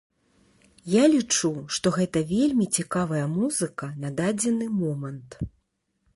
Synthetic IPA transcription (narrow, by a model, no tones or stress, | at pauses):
jalʲit͡ʂuʂt̪ɔɣɛt̪ɐvʲelʲmʲit͡sʲikavɐjɐmuzɨkɐnad̪ad͡zʲɛnɨmɔmɐnt̪